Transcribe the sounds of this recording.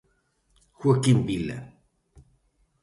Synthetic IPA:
xwakimbila̰

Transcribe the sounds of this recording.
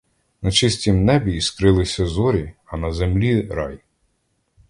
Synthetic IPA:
nɐt͡ʃɪsʲtʲimnɛbʲiːskɾɪlˠɪsʲɐzɔɾʲiɐnɐzemlʲiɾɑj

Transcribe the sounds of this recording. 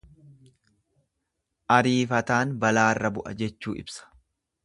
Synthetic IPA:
ʔɐɾiːfɐt̪aːnbɐlaːrːɐbʊʔɐ̰d͡ʒɛt͡ʃːuːʔɪ̰bsɐ̥

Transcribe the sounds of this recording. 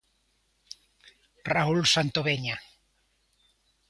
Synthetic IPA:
raulsant̪oβeɲa

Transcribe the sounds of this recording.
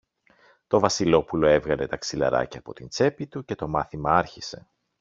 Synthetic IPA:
t̪o̞vɐsilo̞pulo̞e̞vɣɐle̞t̪ɐksilɐ̰ɾɐ̰cɐːpo̞t̪int͡se̞pit̪uce̞t̪o̞mɐθimɐɐɾçise̞

